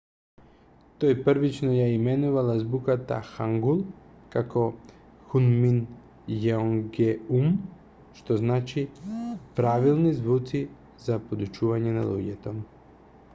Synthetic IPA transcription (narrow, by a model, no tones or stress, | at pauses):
t̪ojpr̩ʋit͡ʃnojaimenuʋalazbukat̪a̰xaŋɡulˠ | kako | xunmin | jaoŋɡeum | ʃt̪oznaːt͡ʃipɾaʋilˠnizʋut̪si | zapod̪ut͡ʃuʋaɲena̰lṵɟet̪om